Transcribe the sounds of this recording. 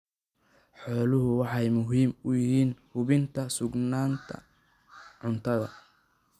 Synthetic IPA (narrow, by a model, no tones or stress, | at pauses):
ħɔːlʊɦʊwɑħɑjmʊɦiːmʊjɪɦiːnhʊβɪnt̪ʰɐsʊɡnaːnt̪ʰɐ̰ | ʕʊnt̪ʰɐðɐ̰